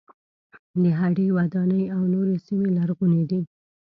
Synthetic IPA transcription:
d̪əɦaɖəjwad̪ɑnəjawnoɾesimelaɾɣuned̪i

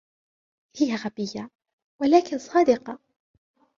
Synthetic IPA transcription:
hɪjːaɣabɪjːa | walaːkɪnsˤɑːd̪ɪqɑ

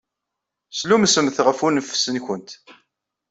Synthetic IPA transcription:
slumsəmθʁəfunəfsənçʊnt̪

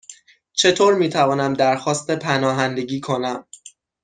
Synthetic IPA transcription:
t͡ʃʰe̞t̪ʰoːɾmiːt̪ʰævɒːnæmd̪æɾxɒːst̪e̞pʰænɒːɦænd̪e̞ɟiːkʰo̞næm

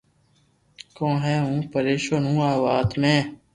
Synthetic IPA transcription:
kõːɦɛːɦũːpəɾeːʃoːnũːaːʋaːt̪mẽː

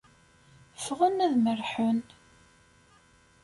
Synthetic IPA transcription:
fʁənæðmərħʊn

